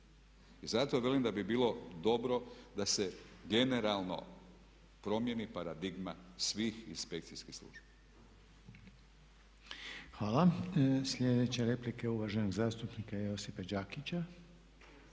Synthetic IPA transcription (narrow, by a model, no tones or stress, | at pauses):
izat̪oʋe̞limd̪abibiːlo̞d̪o̞bɾo̞d̪ase̞ɡe̞ne̞ɾalˠno̰ | pɾo̞mje̞nipaɾad̪iɡmasʋiːxḭnspe̞kt̪siskixslˠṵʒa | xʋaːlasʎʲed̪e̞t͡ɕeɾe̞plikeuʋaʒenoɡzaːst̪upnikajeo̞sipad͡ʒaːkit͡ɕa